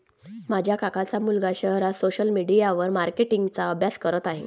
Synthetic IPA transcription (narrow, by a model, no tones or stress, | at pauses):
m̤ad͡ʑʱjakakat͡samulɡaɕəɦɾasoɕəlmiɽijaʋəɾmaɾkeʈiŋɡt͡saəbʱjaskəɾət̪aɦḛ̃